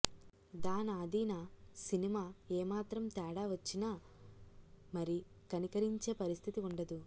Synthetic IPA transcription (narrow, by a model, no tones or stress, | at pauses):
d̪aːnaːd̪iːnɐsinimaːeːmaːt̪ɾɐmt̪ɛːɽaːʋɐt͡ʃːinaː | mɐɾi | kɐnikɐɾiɲt͡ʃe̞ːpɐɾist̪ʰit̪iuɳɖɐd̪u